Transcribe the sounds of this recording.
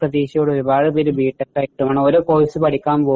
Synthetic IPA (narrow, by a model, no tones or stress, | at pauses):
rɐðiːɕɐjoːɽeoɾubaːɻɨbiɾubiːʈːɐʈːɐiʈːumaːɳoɾoːkoːjisɨpɐʈʰikʲːaːmpoː